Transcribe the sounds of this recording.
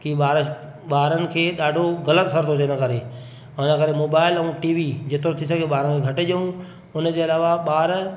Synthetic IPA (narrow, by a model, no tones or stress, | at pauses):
kiɓaːɾ | ɓaːɾənɪ̆kʰeːɗaːɖʱoɣɐlət̪sɐɾt̪ʰot̪enəkəɾe | ʊnəkəɾemoːbaːɪlɛ̃ũʈiːʋid͡ʑet̪ɾot̪ʰisɐɡʱeɓaːɾənɪkʰeɡʱɐʈɪʄəũ | ʊnəd͡ʑeɐlaːʋaɓaːɾ